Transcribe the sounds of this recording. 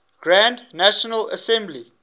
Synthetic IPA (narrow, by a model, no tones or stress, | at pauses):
ɡ̥ɹãndnæʃənələ̰sɛ̃mbli